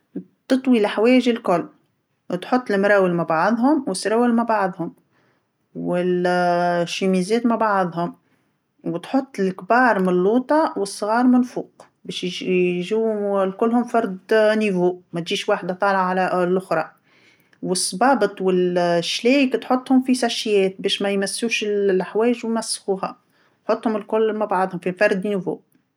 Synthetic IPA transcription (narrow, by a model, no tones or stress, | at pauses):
t̪ɨt̪ˤwilħawɛːʒɪlkʊlː | t̪ħʊt̪ˤːɪlmɾˤɑːwəlmabaʕɑðˤɦʊmwɪsɾˤɑːwɪlmabaʕðˤhʊm | wɪl | ʃimizɛːt̪maʕbaʕðˤɦʊm | wt̪ħʊt̪ˤːɪlkbɑːɾˤmnlːuːt̪ˤɑwəsˤːɣɑːɾˤmɪnfuːq | bɛːʃjʒuːhʊlkʊlːhʊmfɑɾˤd̪nivuːʔmæt̪ʒiːʃwaːħd̪at̪ˤɑːlʕʕʕalælʔʊxɾˤɑ | wɪsˤːbɑːbət̪ˤwɪlʃːlɛːkt̪ħot̪ˤːhʊmfisæʃjɛːt̪̚bɛːʃmæjmæsːuːʃɪllʔaħwɛːʒwjmæsːxuːɦæ | t̪ħot̪ˤːhʊmɪlkʊlːmabʕɑd̪ˤhʊmfifɑɾˤd̪nivṵːʔ